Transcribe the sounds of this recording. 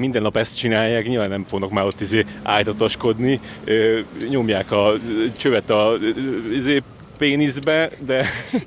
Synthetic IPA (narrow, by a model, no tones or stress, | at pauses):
mind̪ɛnːɒpɛst̪̚t͡ʃinaːjːaːkɲilvaːnːɛmfoɡnɒkmaːɾo̞t̪ːizeːa̰ːjt̪ɒt̪oʃko̞d̪niøɲo̞mjaːkɒt͡ʃøvɛt̪ɒ | izeː | peːnizbɛd̪ɛ